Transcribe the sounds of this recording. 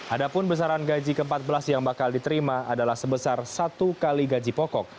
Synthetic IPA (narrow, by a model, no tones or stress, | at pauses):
ʔadapʊnbəs̬aɾanɡad͡ʒikəəmpat̪̚bəlasjaŋbakaldit̪əɾimaʔadalahsəbəsarsat̪ukaliɡad͡ʒipɔkɔk̚